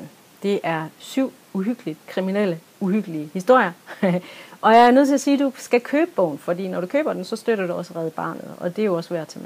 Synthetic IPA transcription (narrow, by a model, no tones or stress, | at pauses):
n | d̥e̝ʔæɐsyʊ̰ | uɦyɡ̥əlid̥kʰʁiminel̰ə | uɦyɡ̥əliəhisd̥o̝ɐ̰jɐ | ʔɒ̽jɑ̈æɐnøð̰ˠt͡sʰeæsiːd̥usɡ̥ækʰøːb̥əb̥ɔʊ̰nfɒ̽d̥ḭːnɒɾ̥ukʰøːb̥ɐd̥ensɒ̽sd̥øɾ̥ɐd̥uɒ̽slʁɛːð̩ˠb̥ɑ̰̈ːnð̩ˠɒ̽d̥e̝jo̝ɒ̽sʋæɐ̰̥t͡sʰe̝m